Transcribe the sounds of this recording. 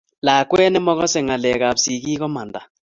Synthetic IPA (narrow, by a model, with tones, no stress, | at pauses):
la˨kwɛ˦nɛ˦mɔ˦ɣɔ˦sɛ˨ŋa˨lɛ˨ka˨bsi˨ki˦kɔ˦ma˨nda˨